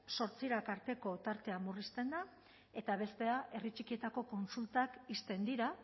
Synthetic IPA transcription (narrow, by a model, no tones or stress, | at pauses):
so̞ɾt͡siɾakaɾt̪e̞ko̞t̪aɾt̪e̞amurist̪e̞nd̪a | e̞t̪aβ̞e̞st̪e̞aʔe̞rit͡ʃikie̞t̪ako̞ko̞nsult̪akist̪e̞nd̪iɾa